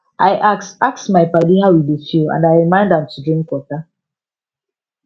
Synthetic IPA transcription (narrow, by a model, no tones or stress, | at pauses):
ʔaɪʔaksaksmaɪpadihaʊidefiã̰ndaɪɹimãɪ̃ndãmtʰudɹĩŋkwɔta